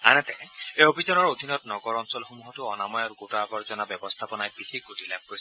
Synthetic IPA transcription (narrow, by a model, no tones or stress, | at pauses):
a̰nɛt̪ɛeobʱizɔnɔɹod̪ʱinɔtnɔɡɔɹɔnsɔlxomuɦɔtuɔnamɔjɔɾɡotabɔɹzɔnabɔbɔst̪ʰapɔnajbixʰik̚ɡotilapɹos